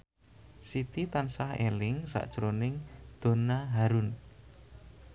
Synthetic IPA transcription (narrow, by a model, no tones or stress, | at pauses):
sit̪it̪ansahḛlɪŋsa̰ʔd̥ʒ̥əɾonɪŋd̪̥o̤naɦaɾun